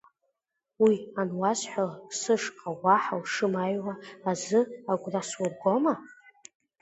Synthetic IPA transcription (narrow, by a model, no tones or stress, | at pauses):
wianwazħʷᶣalasɨʂqʼawaħawʂɨmajwaːzɨaɡʷraswʊrɡʷoma